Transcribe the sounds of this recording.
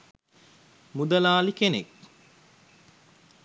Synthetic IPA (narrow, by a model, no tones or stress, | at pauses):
mud̪ɐlaːlikenḛk